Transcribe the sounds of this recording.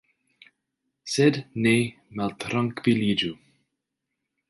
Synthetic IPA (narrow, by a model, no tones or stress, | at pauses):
sɛdneː | mɛlt̪ʰɾaŋkv̥iliːd͡ʒu